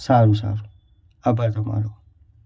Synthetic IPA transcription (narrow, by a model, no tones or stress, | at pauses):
saɾusa̰ɾu | abadama̰lo